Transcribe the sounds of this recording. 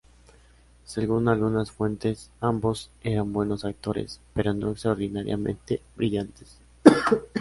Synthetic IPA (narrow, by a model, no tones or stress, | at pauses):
se̞ɣunalɣunasfwe̞nt̪e̞sambo̞se̞ɾambwe̞no̞sak̚t̪o̞ɾḛspe̞ɾo̞no̞̰ekst̪ɾaoɾðinaɾja̰mẽ̞̰nt̪e̞bɾiʝant̪es